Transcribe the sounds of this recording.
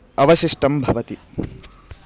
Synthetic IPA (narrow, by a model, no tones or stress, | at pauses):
ɐʋɐʃiʂʈɐmbʱɐʋɐt̪i